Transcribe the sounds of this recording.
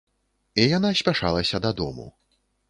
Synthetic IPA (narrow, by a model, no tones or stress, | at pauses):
ijanasʲpʲaʂa̰lˠɐsʲɐd̪ad̪ɔ̰mṵ